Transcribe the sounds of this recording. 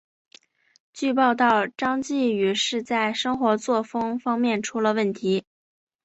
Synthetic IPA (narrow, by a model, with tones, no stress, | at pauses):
t͡ɕy˥˧pɑ˥˧ʊt̪ɑ˥˩ʊʈ͡ʂɑ˥ŋt͡ɕi˥˩y˨˩ʂɻ̩˥˧t͡sa˥˩ɪʂɤ˥ŋxwɔ˧˥t͡swɔ˥˩fɤ˥ŋfɑ˥ŋmjɛ˥˩nʈ͡ʂʰu˥lə˧wə˥˩nt̪ʰi˧˥